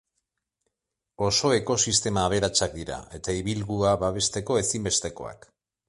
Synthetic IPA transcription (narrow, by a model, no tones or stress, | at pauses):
o̞so̞e̞ko̞sist̪e̞maːβ̞e̞ɾat͡sak̚d̪iɾa̰e̞t̪aiβ̞ilɣuaβaβe̞st̪e̞ko̞e̞simbe̞st̪e̞ko̞̰a̰k